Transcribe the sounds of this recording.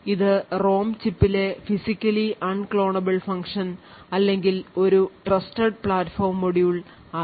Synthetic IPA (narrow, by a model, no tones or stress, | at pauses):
iðɨro̞ːmt͡ɕipːile̞fisikʲːɐliʔɐɳkɭo̞ːɳɐbɐɭfɐŋkʂɐn | ɐlːe̞ŋɡilo̞ɾuʈrɐstɐɖpɭaːtːfo̞ːrmːoɽijuɭ | aː